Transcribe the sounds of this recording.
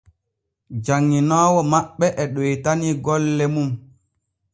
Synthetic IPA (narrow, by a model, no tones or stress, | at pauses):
d͡ʒaŋːinaːwɔmaɓːɛʔɛɗojtaniɡɔlːɛmum